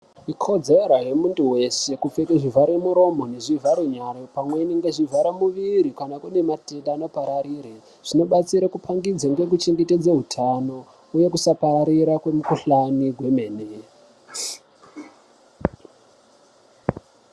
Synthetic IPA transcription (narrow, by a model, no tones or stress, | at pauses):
ikʰo̞d͡zeɾaje̞muntuwe̞se̞kup͡fe̞keʐivaɾemuɾo̞mo̞neʐivaɾuɲaɾepamwe̞iniŋɡeʐivʱaɾamuʋiɾikanakune̞matendaːno̞paɾaɾiːɾe | ʐ̥ino̞ɓat͡siɾakupʰaŋɡid͡zaŋɡek̬ut͡ʃeŋɡeted͡zaɦutʰano̞ | uje̞kusaparaɾiɾakwe̞mukuɬaniɡwe̞me̞ːne